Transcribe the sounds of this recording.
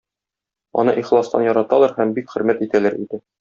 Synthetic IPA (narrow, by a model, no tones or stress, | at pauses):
ɒ̰nɤʔiχlˠɑst̪ɑ̰njɒɾɑt̪ɑlˠɑɾhæmbikχɵ̆ɾmæt̪it̪ælæɾʔḭd̪ɘ